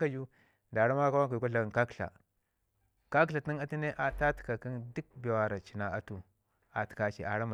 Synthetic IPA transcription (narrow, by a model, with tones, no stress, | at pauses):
ka˦d͡ʒu˦ | da˨ɾa˦ma˦ka˦wa˦ŋka˨u˨ka˦ɬa˨ka˦kɬa̰˨ | ka˦kɬa˨ti˦na˦ti˦ne˦ʔa˨ta˦ti̥˨ka˨ki˦ndu˦k̚be˨wa˨ɾa˨t͡ʃi˨na˨a˦tu˦ | a˨ti̥˨ka˨˦t͡ʃḭ˨ʔa˨ɾa˦ma˨